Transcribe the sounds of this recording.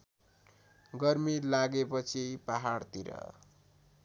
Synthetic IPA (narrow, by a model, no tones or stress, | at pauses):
ɡʌrmilaɡepʌt͡sʰipaɦaɽt̪iɾʌ̰